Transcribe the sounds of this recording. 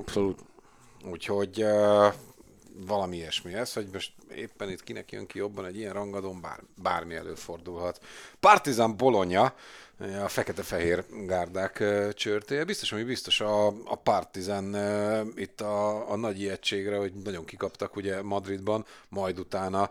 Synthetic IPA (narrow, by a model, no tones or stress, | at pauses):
ɒpsoluːt̪ | uːcho̞ɟ | vɒlɒmiɛʃmiɛsho̞ɟmo̞ʃt̪ḛːpːɛnit̪kinɛ̰kjø̰ŋkijo̞bːɒnɛɟijɛnrɒŋɡɒd̪oːmba̰ːrba̰ːrmiɛ̰lø̰ːfo̞rd̪ulɦɒt̪pɒrt̪izambo̞lo̞ɲɒ | ɛɒfɛkɛt̪ɛfɛɦeːrɡaːrd̪aːkːt͡ʃørt̪eːjɛbist̪o̞ʃɒmibist̪o̞ʃɒ̰ːpɒrt̪izanit̪ːɒːnɒɟiɛtt͡ʃeːɡrɛho̞ɟnɒɟo̞ŋkikɒpt̪ɒkuɟɛmɒd̪rid̪bɒnmɒjd̪ut̪aːnɒ